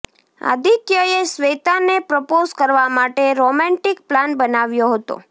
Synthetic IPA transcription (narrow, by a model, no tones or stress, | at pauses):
a̰d̪ʱikjəesʋet̪anepɾəpozkəɾʋamaʈeɾomɛ̃ɳʈik̚planbənaʋjoɦət̪o̰